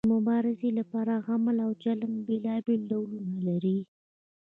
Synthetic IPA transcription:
əmʊbɑɾɪzelapɑɾaɣamlawd͡ʒaləmbelɑbelɖawlunalaɾi

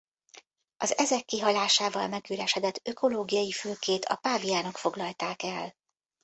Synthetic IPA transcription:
ɒzɛzɛkːiɦɒlaːʃaːvɒ̰lmɛɡyːɾɛʃɛd̪ɛt̪ːø̞ko̞loːɡijɒjifyːlkeːt̪ʰɒ̰paːvijaːno̞kfo̞ɡlɒlt̪aːkɛl

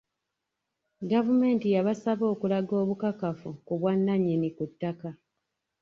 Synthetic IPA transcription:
ɡavume̞ːntijaβasaβo̞ːkulaɡo̞ːβukakafukuβwanːaɲinikutːaka

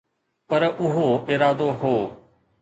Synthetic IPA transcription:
pɐɾʊɦoɪːɾaːd̪oɦoː

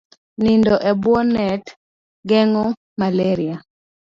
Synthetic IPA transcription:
nindɔʔɛbwɔnɛt | ɡɛŋɔ | malɛɾia

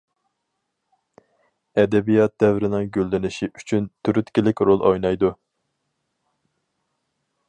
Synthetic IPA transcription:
ɛd̪ɛbijɑt̪̚d̪ɛvɾɪnɪŋɡʲølːɪnɪʃiʔyt͡ʃʰynt̪ʰyɾyt̪kʲilɪkʲɾolˠʔojnɑjd̪u

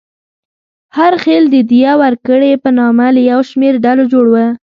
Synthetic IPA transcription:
haɾxeld̪əd̪ijawaɾkəɽepənɑmaləjawʃmeɾɖalod͡ʒoɽwə

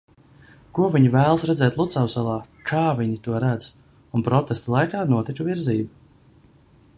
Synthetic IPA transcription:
kuɔviɲivæːlˠəsɾɛd̪zɛːt̪lˠut̪sawsɛlˠaː | kʰaːviɲit̪uɔɾæd̪z | unpɾɔt̪ɛst̪lˠajkaːnuɔt̪ikuviɾziːbu

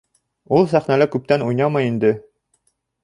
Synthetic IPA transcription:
ulˠsæχnælækʉp̚t̪ænujnɑmɑjind̪ɘ

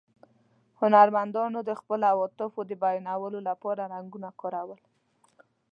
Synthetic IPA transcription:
hʊnaɾmand̪ɑnod̪əxpəlawɔt̪ɪfod̪əbajnawəlolapɑɾaɾaŋɡunakɑɾawəl

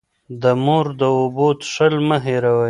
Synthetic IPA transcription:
d̪əmoɾd̪əobot̪ʂəlməɦeɾawa

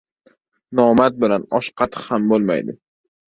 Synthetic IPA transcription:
nɒmat̪̚bɪlanɒʃqʰɑt̪ʰɨ̥qhambolˠma̰jd̪ɪ

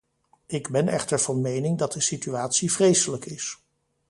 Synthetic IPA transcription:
ɪɡbɛnʔɛ̰χtəɹv̥ɑnmejnɪŋdɑt̚dəsityaːtsivrejsələkɪs

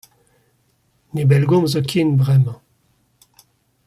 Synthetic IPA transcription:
nebɛlɡɔ̃mzokʰinbʁɛmɑ̃

